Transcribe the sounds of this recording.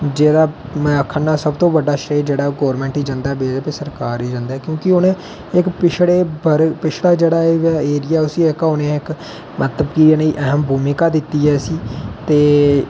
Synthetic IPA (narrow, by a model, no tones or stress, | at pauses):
d͡ʒeːd̪aː | mɛəkʰːənːaːsəbt̪õːʋəɖːaːʃeːd͡ʒeːɽaːɡɔːɾmɛ̃ːɳʈɦiːd͡ʒãnd̪aːbeːd͡ʒaːpesəɾkaːɾiːd͡ʒãnd̪aːkjõːkɪʊnẽː | ɪkpɪʃʰɽeːbəɾpɪt͡ʃʰɽaːd͡ʒeːɽaːʋaeːɾɪjaːʊsiɪkaʊnẽːɪk | mət̪ləbkineiːʔɛɦəmbʱuːmikaːd̪ɪt̪ːiːɛːsiːt̪eː